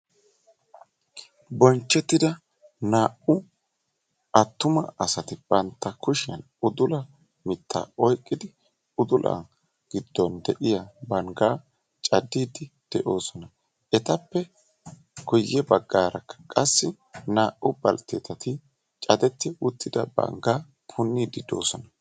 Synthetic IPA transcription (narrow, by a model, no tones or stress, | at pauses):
bɔnt͡ʃːɛt̪ːɪd̪ɐ | naːʔʊ | ɐt̪ːʊmɐɐsɐt̪ɪb̥ɐnt̪ːɐkʊʃɪɐn | ʊd̪ʊlɐ | mɪt̪ʰːa̰ːɔjkʼːɪd̪ɪ | ʊd̪ʊlʔa̰ | ɡ̥ɪd̪̥ːɔnd̪ɛʔɪjabɐŋɡaː | t͡ʃʼɐd̪ːiːd̪ɪd̪̥ɛʔo̞ːsɔnɐ | ʔɛt̪ɐpːɛ | ɡɔjːɛbɐɡːaːɾɐkːɐ̥kʼɐsːɪ | naːʔʊbɐ̰lt̪ɛt̪ːɐt̪ɪ | t͡ʃʼɐd̪ɛt̪ːɪwʊt̪ʰːɪd̪ɐ̰bɐ̰ŋɡaː | pʰʊnːiːd̪ɪd̪o̞̰ːsɔnɐ